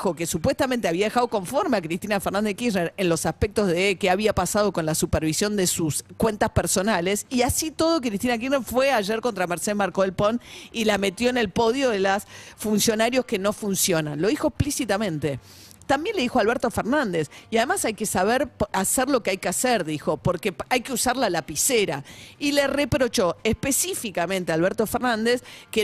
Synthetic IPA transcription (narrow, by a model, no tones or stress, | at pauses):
xo̞ke̞supwe̞st̪amẽnt̪e̞aβiaðexað̞oko̞ɱfo̞ɾmeakɾist̪inafeɾnãnd̪eskisneɾenlo̞sahpek̚t̪o̞zðekeaβiapasað̞o̞ko̞nlasupeɾβisjo̞nd̪esuskwe̞nt̪aspeɾso̞nale̞siasit̪o̞ðo̞k̬ɾist̪inak̬ineɾfweaʒeɾko̞nt̪ɾameɾseðmaɾkoelpo̞nilame̞t̪jo̞ene̞lpo̞ðjo̞ðelasfunsjo̞naɾjo̞skeno̞funsjo̞nã̰nlo̞ðixoekhplisit̪amẽnt̪e | t̪ambjenle̞ðixoalβeɾt̪o̞feɾnãnd̪esiaðemasajkesaβeɾaseɾlo̞keajkeaseɾðixo̞poɾkeajkeusaɾlalapiseɾa̰ilerepɾot͡ʃo̞ehpesifikamẽnt̪ealβeɾt̪o̞feɾnãnd̪eske